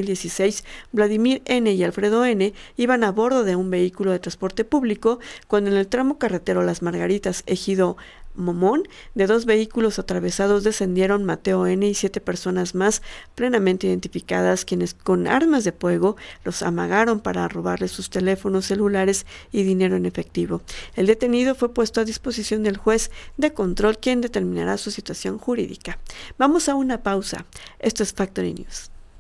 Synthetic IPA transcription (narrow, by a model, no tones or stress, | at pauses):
ild̪jesisejsblaðimiɾe̞ne̞ialfɾe̞ðo̞e̞ne̞iβanaβo̞ɾðo̞ðe̞umbe̞ikulo̞ð̞e̞t̪ɾanspo̞ɾt̪e̞puβliko̞kwand̪oene̞lt̪ɾamo̞kare̞t̪e̞ɾo̞lazmaɾɣaɾit̪asexiðo̞ | momo̞n | d̪e̞ðo̞zβe̞ikulo̞sat̪ɾaβe̞sað̞o̞zðese̞nd̪je̞ɾo̞nmat̪e̞oe̞ne̞isje̞t̪e̞pe̞ɾso̞nazmasple̞namẽnt̪e̞iðe̞nt̪ifika̰ðaskje̞ne̞sko̞na̰ɾmazðe̞fwe̞ɣo̞lo̞sa̰ma̰ɣaɾo̞mpaɾaro̞βaɾle̞sust̪e̞le̞fo̞nosːe̞lulaɾe̞siðine̞ɾo̞ene̞fe̞k̚t̪iβo̞e̞ld̪e̞t̪e̞niðo̞fwe̞pwe̞st̪oaðispo̞sisjo̞nd̪e̞lxwe̞zd̪e̞ko̞nt̪ɾo̞lkje̞nd̪e̞t̪e̞ɾmĩna̰ɾasusit̪wasjo̞ŋxuɾḭðḭkabamo̞saunapawsa̰e̞st̪oe̞sfak̚t̪oɾḭnjṵs